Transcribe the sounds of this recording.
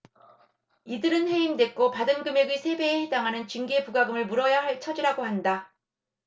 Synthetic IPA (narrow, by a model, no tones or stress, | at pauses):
idɯɾɯnɸe̞imde̞k͈opadɯnɡɯmjeɡisʰe̞be̞ːhedaŋɦanɯnt͡ɕiŋɡiepuɡaɡɯmɯɭmuɾʌjaɦaɭt͡ɕʰʌd͡ʑiɾaɡohanda